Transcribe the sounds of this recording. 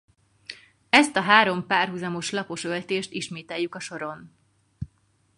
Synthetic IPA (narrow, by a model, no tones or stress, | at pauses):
ɛst̪ɒɦaːɾo̞mpaːrɦuzɒmo̞ʃlɒpo̞ʃølt̪eːʃt̪iʃmeːt̪ɛjːukɒʃo̞ɾo̞n